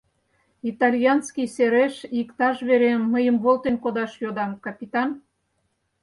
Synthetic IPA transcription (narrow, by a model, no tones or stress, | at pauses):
it̪ɑlʲjɑnskijseɾeʃikt̪ɑʃβeɾemːəjəmβolˠt̪enkod̪ɑʃjod̪ɑmkɑpʲit̪ɑn